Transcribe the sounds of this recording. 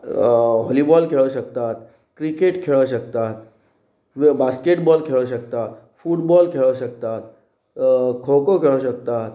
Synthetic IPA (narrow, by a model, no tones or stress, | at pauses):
ɦɔlibɔːlkʰeɭoʃək̚t̪at̪ | kɾikeːʈkʰeɭoʃ̬ək̚t̪at̪ | ʋbaːskeʈbɔːlkʰeɭoʃ̬ək̚t̪at̪ | fuːʈbɔːlkʰeɭoʃək̚t̪aːt̪ | kʰoːkokʰeɭoʃəkt̪at̪